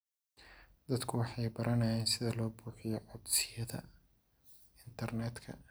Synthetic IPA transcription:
d̪ɐd̪kʰʊwɑħɑjbɐɾʔɐnɐjɛːnsɪðɐlɔːbuːħɪjɔʕɔb̪sɪjɐðɐ̰ | ɪnt̪ʰɐrnɛːd̪kʰɐ̰

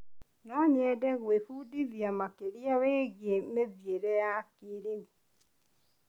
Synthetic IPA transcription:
nɔɲɛdɛɣwefudiðjamakeɾiaweːɣemeðjeɾɛjakiɾimi

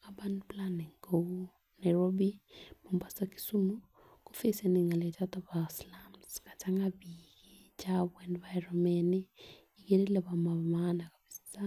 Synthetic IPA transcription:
abanplaniŋɡo | naɾɔbimombasaki̥sumu | kofesaniŋɡalɛt͡ʃataβaslamskat͡ʃaŋɡaβi | e | t͡ʃaβwɛndβaɛɾɔmɛni | ikeɾelaβamamanakaβisi̥sa

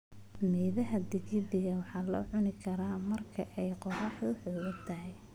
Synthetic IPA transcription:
mɛːðɐɦɐd̪ɪɣɪdɪɣɐwɑħɑːlɔ̰ːʕʊnɪkʰɐɾaːmɐrkʰɐʔɛjqɔrɑːħʊħɔːwɐt̪ʰɐɦɛj

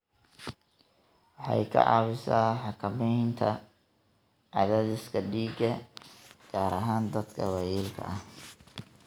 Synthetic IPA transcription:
wɑħɑ̰jkʰɐ̰ʕɑ̰ːβɪsaːħɑkʰɐmɛjnt̪ʰɐ | ʕɑðaːðɪskʰɐɖiːɡɐ | ɡ̥aːɾʔɐɦaːnd̪ɐd̪kʰɐwɑːjilkʰɐ̰ɐh

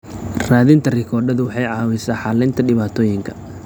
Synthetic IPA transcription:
raːðɪnt̪ʰɐrɪkʰɔːrɖɐðʊwɑħɑjʕɑːwɪsaːħɑːlɪnt̪ʰɐɖɪβaːt̪ʰɔːjɪŋkʰɐ̥

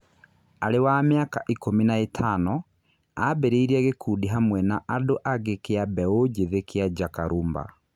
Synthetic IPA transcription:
aɾewameakaʔikominaetʰanɔ | abeɾeiɾaɣekʰuːdiɦamwɛnaʔadoʔaɣekeabɛod͡ʒeðekʰead͡ʒakaɾʔumba̰

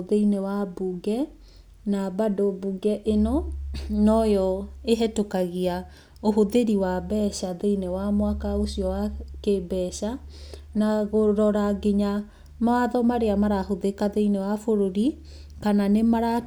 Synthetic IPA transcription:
ðeinewabuɡɛ | nabadobuɡɛʔenɔnɔjɔeɦɛtokaɣia | oɦoðeɾiwabɛɕaðeinewamwakaosiɔwakebɛɕanaɣoɾɔɾaɡeɲa | maaðɔmaɾeamaɾahoðekaðeinewafoɾoɾi | kananemaɾa

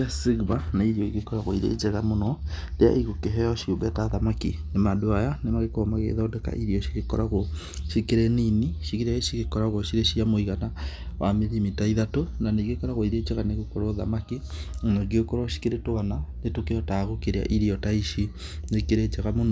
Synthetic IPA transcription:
asiɣbanaiɾiɔiɡekɔɾaɣoiɾḛd͡ʒɛɣamonɔdea̰ʔiɣokeɦɛjɔʃiobɛtaðamakinemadoajanemaɣekomaɣḛðɔdɛka̰ʔiɾiɔʃiɣekɔɾaɣo | ʃikeɾeniniʃikeɾaeʃiɣekɔɾaɣoʃiɾeʃiamoiɣanawameɾimitaiðatonaneɣekɔɾaɣoiɾed͡ʒeɣaneɣokoɾoða̰makinoɡeokoɾaʃi̥keɾetoananetokejɔtaɣokeɾea̰ʔiɾiɔtaiʃi | nekeɾed͡ʒeɣamon

